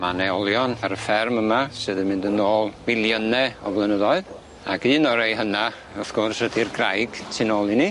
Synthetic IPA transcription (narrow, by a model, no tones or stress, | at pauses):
manɛɔlˠjɔnaɾəfɛrməmasɨːðɛmɪndənoːlˠvɪlˠjənɛɔ̰vlˠɛnəðɔɨð | a̰ɡɨːnɔɾejɦəna | ɔθɡ̥orsədirɡrajɡ̥tʰɪnoːlˠini